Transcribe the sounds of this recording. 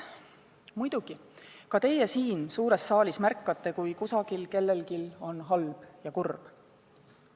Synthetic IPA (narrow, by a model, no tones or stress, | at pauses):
mujd̪̥uɡ̥ikɑt̪e̞je̞siːnsuːɾe̞sːɑːlismærkˑːɑt̪ːe̞kujkusɑɡ̥ilke̞lːe̞lkilo̞nɦɑlb̥jɑkurb̥